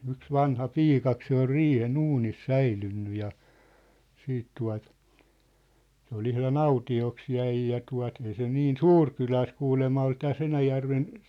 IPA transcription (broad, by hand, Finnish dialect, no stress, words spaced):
yks ʋɑnhɑpiːkɑk se ol riːhen uːnis sæilynːy jɑ siːt tuɑ̝t se ol ihlɑn ɑutioks jæi jɑ tuɑ̝t ei se niːn suːr kylæ o sĕ kuːlemːɑ ol tæs enæjærʋen